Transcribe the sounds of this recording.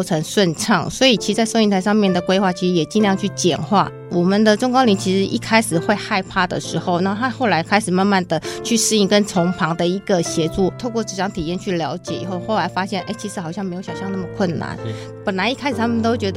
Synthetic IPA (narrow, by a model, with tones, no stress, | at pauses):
ʈ͡ʂʰɤ˧˥ŋʂwə˥˧nʈ͡ʂʰɑ˥˩ŋswɔ˧˥i˨˩t͡ɕʰi˧˥ʂɻ̩˧t͡sa˥˧ɪso˥˧i˥˩nt̪ʰɪʂɑ˥˧ŋmjɛ˥˩nd̪ə˩kwe˥ɪxwa˥˩t͡ɕʰi˧˥ʂɻ̩˧˥jɛ˨˩t͡ɕi˥˧n˧jɑ˥˧ŋt͡ɕʰy˥˩t͡ɕjɛ̰˨˩nxwa̰˥˩ | wɔ˨˩mə˨nd̪ə˨ʈ͡ʂʊ˥ŋkɑ˥li˧˥nt͡ɕʰi˧˥ʂɻ̩˧˥ʔḭ˥˧kʰa˥ɪʂɻ̩˨˩xwe˥˧ɪxa˥˧ɪpʰa˥˩d̪ə̰˩ʂɻ̩˧˥xo˥˧ʊna˥˧t̪ʰa˥xo˥˩ʊla˧˥ɪkʰa˥ɪʂ̩˨˩ma˥˧nma˥˩nd̪ə˩t͡ɕʰy˥˩ʂɻ̩˥˧i˥˩ŋkə˦nʈ͡ʂʰʊ˧˥ŋpʰɑ˧˥ŋd̪ə˨i˧˥ɡə˨ɕjɛ˧˥ʈ͡ʂu˥˩t̪ʰo˥˧ʊkwɔ˥˩ʈ͡ʂɻ̩˧˥˩ʈ͡ʂɑ˧˥ŋt̪ʰi˨˩jɛ˥˧˨nt͡ɕʰy˥˩ljɑ˧˥ʊt͡ɕjɛ˨˦ḭ˨˩xo˥˧ʊxo˥˩ʊla˧˥ɪfa˥ɕjɛ˥˩nʔe˥˩ɪt͡ɕʰi˧˥ʂ̩˧˥xɑ˨˩ɕjɑ˥ŋme˧˥jo˧˥ɕjɑ˨˩ʊɕɑ˥˧ŋna˥˩mə˩kʰwə˥˩nna̰˧˦n | pə˨˩nla˧˥ɪi˥kʰa˥ɪʂɻ̩˨˩t̪ʰa˥mə˨nt̪o˥ʊt͡ɕɥɛ˧˥d̪ə